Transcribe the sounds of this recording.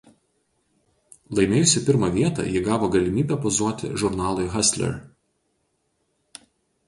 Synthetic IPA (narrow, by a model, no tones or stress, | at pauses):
lˠɐɪmʲeːjʊsʲɪpʲɪɾmɐʋʲiɛt̪ɑ̰jɪɡɑːʋoːɡɐlʲɪmʲiːbʲɛpɔzuɔt̪ʲɪ̰ʒʊɾnɑːlˠʊɪɣɐsʲlʲɛ̰ɾ